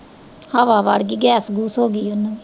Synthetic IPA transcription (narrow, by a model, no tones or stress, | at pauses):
haʋaːʋaːɽɡiːɡɛːsɡuːsɦoːɡiːʊnː